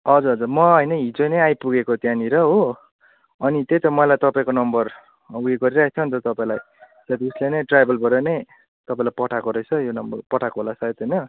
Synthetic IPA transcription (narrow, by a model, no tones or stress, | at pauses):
ʌd͡zuɾʌd͡zurmʌɦʌjnʌɦid͡zonʌajpuɡekot̪jãniɾʌɦo | ʌnit̪et̪ʌmʌlajt̪ʌpaĩkonʌmbʌr | weɡʌɾiɾaket͡sʰʌnt̪ʌt̪ʌpaĩlaj | sʌt̪iuslenʌjʈrajbʱʌlbʱʌɾʌne | t̪ʌpaĩlajpʌʈʰakoɾʌt͡sʰʌjonʌmbʌrpʌʈʰakoɦolasʰʌjt̪ɦʌjnʌ